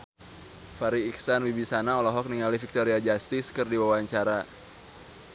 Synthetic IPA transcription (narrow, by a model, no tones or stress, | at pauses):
faɾiːksanwibisanaɔlɔɦɔk̚niŋalifik̚t̪ɔɾiad͡ʒast̪iskɨrdiwawaɲt͡ʃaɾa